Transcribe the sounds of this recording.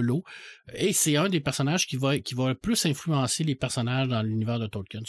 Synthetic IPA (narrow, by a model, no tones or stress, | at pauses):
loesɛœ̃d̪epɛʁsɔnaʒ̥kʲivakʲʰivaplʏsɛ̃flyɑ̃selepɛʁsɔnaʒd̪ɑ̃lynivɛːʁd̪ət̪oːlkʲɛn